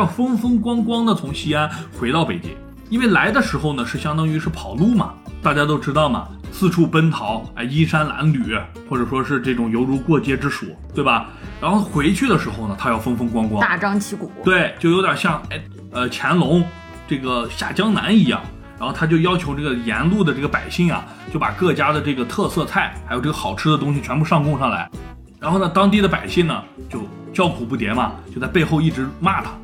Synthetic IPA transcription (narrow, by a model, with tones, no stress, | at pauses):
jɑ˥˩ʊfɤ˥ŋfɤ˥ŋkwɑ˥ŋkwɑ˥ŋd̪ə˨t͡sʰʊ˧˥ŋɕi˥a˥nxwe˧˥ɪt̪ɑ˥˩ʊpe˨˩ɪt͡ɕḭ˥ŋ | i˥nwe˥˩ɪla˧˥ɪd̪ə˧ʂɻ̩˧˥xo˥˧ʊnə˩ʂɻ̩˥˩ɕjɑ˥ŋt̪ɑ˥ŋy˧˥ʂɻ̩˥˩pʰɑ˨˩ʊlu˥˩mɐ̰˩t̪a˥˩t͡ɕja˥t̪̬o˥ʊʈ͡ʂɻ̩˥t̪ɑ˥˩ʊmɐ̰˩ | sʰɹ̩˥˧ʈ͡ʂʰu˥˩pə˥nt̪ʰɑ˧˥ʊa̰˥˩ɪi˥ʂa˥nla̰˧˥nly˨˩˦ | xwɔ˥˩ʈ͡ʂɤ˨˩ʂwɔ˥ʂɻ̩˥˧ʈ͡ʂɤ˥˩ʈ͡ʂʊ˨˩ŋjo˧˥ʊɻu˧˥kwɔ˥˩t͡ɕjɛ˥ʈ͡ʂɻ̩˥ʂṵ˨˩˦t̪we˥˩ɪbɐ˩ | ɻa̰˧˥nxo˥˩ʊxwe˧˥ɪt͡ɕʰy˥˩d̪ə˩ʂɻ̩˧˥xo˥˧ʊnə˩t̪ʰa˥jɑ˥˩ʊfɤ˥ŋfə˥ŋkwɑ˥ŋkwɑ˥a˥˩ʈ͡ʂɑ˥ŋt͡ɕʰi˧˥kṵ˨˩˦t̪we˥˩ɪt͡ɕjo˥˩ʊjo˧˥ʊjə˞˨˩ɕjɑ˥˩ŋe˥˩ɪ | ə˧t͡ɕʰjɛ˧˥nlʊ˧˥ŋ | ʈ͡ʂɤ˥˩ɡə˩ɕja̰˥˩t͡ɕjɑ˥ŋna̰˧˥ni˧˥jɑ̰˥˩ŋ | a˧˥nxo˥˩ʊt̪ʰa˥t͡ɕjo˥˧ʊjɑ˥ʊt͡ɕʰjo˧˥ʊʈ͡ʂɤ˥˩ɡə˩jɛ̰˧˥nlu˥˩d̪ə˩ʈ͡ʂɤ˥˩ɡə˩pa̰˨˩ɪɕi˥˩ŋɐ̰˨˩ | t͡ɕjo˥˩ʊpa˨˩kɤ˥˩t͡ɕja˥d̪ə˨ʈ͡ʂɤ˥˩ɡə˩t̪ʰɤ˥˧sɤ˥˧t͡sʰa˥˩ɪxa˧˥ɪo˨˩ʊʈ͡ʂɤ˥˩ɡə˩xɑ˨˩ʊʈ͡ʂʰɻ̩˥d̪ə˨t̪̬ʊ˥ŋɕ̬i˨˩t͡ɕʰɥɛ˧˥npu˥˧ʂɑ˥˧ŋkʊ˥˧ŋʂɑ˥˩ŋla̰˧˥ɪ | ɻa˧˥nxo˥˩ʊnə˩t̪ɑ˥ŋt̪̬i˥˩d̪ə˩pa˨˩ɪɕi˥˩ŋnə˩ | t͡ɕjo˥˧ʊ | t͡ɕjɑ˥˩ʊkʰu˨˩pu˥˩jɛ˧˥nmɐ˧t͡ɕjo˥˧ʊt͡sa˥˧ɪpe˥˧ɪxo˥˧ʊi˥˩ʈ͡ʂɻ̩˧˥ma˥˩t̪ʰa˧˥